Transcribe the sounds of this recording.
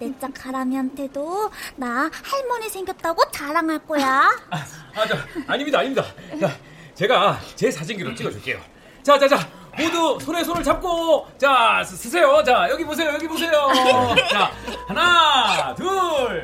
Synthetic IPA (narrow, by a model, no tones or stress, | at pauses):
ne̞t͡ɕ͈akʰaɾamiɦantʰe̞donahaɭmʌnesʰeŋɡjʌt̚t͈aɡot͡ɕaɾaŋaɭk͈ojaaat͡ɕaːɲimɲidaːɲimɲidat͡ɕa | t͡ɕe̞ɡat͡ɕe̞sʰad͡ʑinɡiɾomt͡ɕ͈iɡʌd͡ʑuɭk͈e̞jo̰ | t͡ɕat͡ɕad͡ʑa | modusʰones̬ʰonɯɭt͡ɕap̚k͈ot͡ɕasʰɯsʰe̞jot͡ɕajʌɡibos̬ʰejojʌɡibos̬ʰe̞jot͡ɕahanatuɭ